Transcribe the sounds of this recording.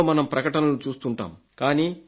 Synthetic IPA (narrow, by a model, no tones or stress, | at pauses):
mɐnɐmpɾɐkɐʈɐnɐlut͡ʃuːst̪uɳʈa̰ːm | kaːniː